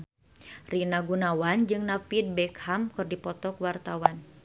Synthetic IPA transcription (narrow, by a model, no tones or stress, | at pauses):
rinaɡunawand͡ʒɨŋnafid̪̚bɛkhamkɨrdipɔt̪ɔkwart̪awan